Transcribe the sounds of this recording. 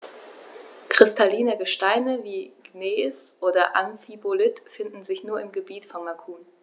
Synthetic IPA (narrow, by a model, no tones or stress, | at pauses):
kʁ̥ɪstʰaliːnəɡəʃtaɪnəviːɡ̥neːsʔoːdɐʔanfibolɪtfɪndn̩zɪçnuːɐɪmɡəbiːtfɔnmakʰuːn